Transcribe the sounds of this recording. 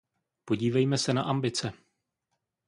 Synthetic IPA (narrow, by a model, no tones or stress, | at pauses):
poɟiːvɛjmɛsɛnaʔambɪt͡sɛ